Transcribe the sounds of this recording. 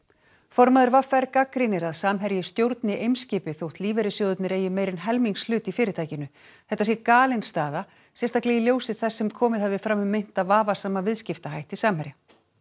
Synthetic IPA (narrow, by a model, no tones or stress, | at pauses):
fɔɾmaðʏɾvafɛɾkakɾɪnɪɾaðsaːmɦɛɾjɪst̪jowɾt̪nɪʔejmscɪːpɪθowht̪liːvɛɾɪsjoːðʏt̪nɪɾeːjɪmeːjɾɪnɦɛlmiŋkslʏːt̪ifɪːɾɪt̪ʰaːjcɪnʏ | θɛht̪ːasjɛkaːlɪnst̪aːða | sjɛnst̪aklɛɣiljoːwsɪðθɛsːɛmkʰɔːmɪðhɛvɪfɾamːʏmːɪjn̥t̪aðvaːvasaːmavɪðscɪft̪aɦajht̪isaːmhɛɾja